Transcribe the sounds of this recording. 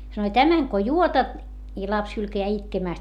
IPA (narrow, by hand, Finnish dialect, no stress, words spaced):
sɑnoi tæmæŋ ko juotɑt i lɑps hylkæjæː itkemæˑst